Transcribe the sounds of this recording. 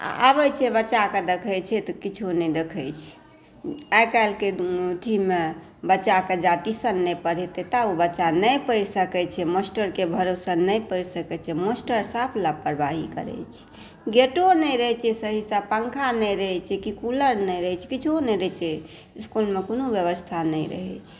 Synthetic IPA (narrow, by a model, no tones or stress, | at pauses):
a̰bəjt͡ʃʰɛbəːt͡ʃaked̪ekʰət͡ʃʰɛt̪ɔkit͡ʃʰunɛd̪ekʰəjt͡ʃʰɛ̥ | ajkalkeut̪ʰime | bəːt͡ʃaked͡ʒat̪isənːɛjpəɾɛet̪et̪aubəːt͡ʃanəjpəɪɾsəkɛt͡ʃʰɛmosʈəɾkebʱəɾosənːəjpəɪɾsəkɛt͡ʃʰɛmosʈəɾsapʰlapːəɾbaɦikə̰ɾɛ̰t͡ʃʰɛ̥ | ɡeʈonəɾəɦɛt͡ʃʰɛsəɦisãbpãŋkʰanɛjɾəɦɛt͡ʃʰɛkikuləɾnəjɾəɦɛt͡ʃʰɛ̥kit͡ʃʰonɛɾət͡ʃʰɛ | skulmekonobjəβəst̪ʰanəɪɾə̰ɦɛ̰t͡ʃʰɛ̥